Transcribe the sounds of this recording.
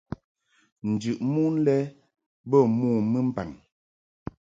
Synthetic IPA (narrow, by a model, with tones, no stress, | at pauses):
n̩˨d͡ʒʉ˨ʔmu˦n˦lɛ˦ | bɔ˦˨muː˦˨mə˦m̩˦pa̰˨n